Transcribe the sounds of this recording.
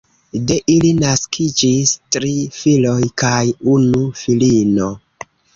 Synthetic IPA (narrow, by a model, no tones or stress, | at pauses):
de̞ʔilinaskʰid͡ʒistɾifilo̞jkajunufilino̞